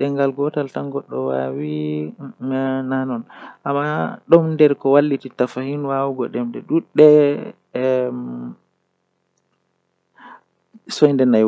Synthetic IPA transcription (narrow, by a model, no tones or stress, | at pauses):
ɗɛŋɡalɡɔtaltaŋɡɔɗːɔwa̰wi | nanɔnʔamːaɗɔmndɛɾkɔwalːititafahinwawuɡɔɗɛmdɛɗuɗːɛ | sɔjndɛnaj